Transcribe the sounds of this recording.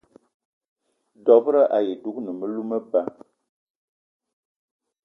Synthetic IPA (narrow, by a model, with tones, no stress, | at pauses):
dɔ˨bɾə˦ʔa˨je˨du˦k̚nə˨mə˦lu˦mə˦ba˦